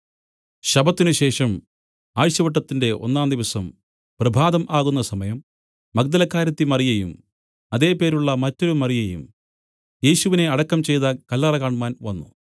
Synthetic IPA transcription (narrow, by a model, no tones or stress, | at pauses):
ɕɐbɐt̪ːinuɕe̞ːʂɐm | aːʋiɕjɐʋɐʈːɐt̪ːinde̞ʔo̞̰nːaːnd̪iʋɐsɐm | prɐbʱaːðɐmʔaːɣunːɐsɐmɐjɐmː | ɐɡ̚d̪ɐlɐkːaːɾɐt̪ːimɐrijɐjṵm | ɐðe̞ːpe̞ːɾuɭːɐmɐtːo̞ɾumɐrijɐjṵm | je̞ːɕuʋine̞ɐɽɐkːɐmt͡ɕe̞jt̪ɐkɐlːɐrɐkaːɳumaːnʋɐnːṵ